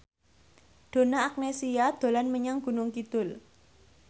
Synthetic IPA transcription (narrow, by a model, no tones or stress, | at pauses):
ɖ̪̥o̤naak̚nesiad̪̥o̤lanməɲaŋɡ̥ṳnʊŋkid̪̥ʊl